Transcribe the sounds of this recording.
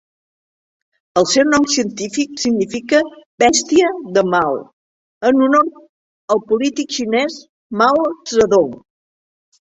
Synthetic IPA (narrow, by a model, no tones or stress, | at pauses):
əlˠsɛwnɔmsiənt̪ifiksiɡnifikəbɛst̪iəðəmaw | ənuno | əlˠpulit̪ikʃinɛs | mawrəðoŋ